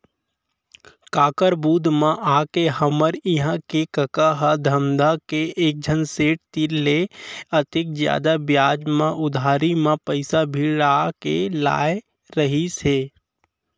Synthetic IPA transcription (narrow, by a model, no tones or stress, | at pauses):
kaːkəɾbuːd̪ʱmãʔaːkeɦəməɾɪɦãkekəkaɦad̪ʱəmd̪ʱakeʔeːk̚d͡ʒʱənseːʈ̚t̪ileət̪ɪk̚d͡ʒja̰ːd̪abjaːd͡ʒmãʔʊd̪ʱaːɾimãpəɪsabʱiɾaːkḛla̰ːe | ɾəɦiseː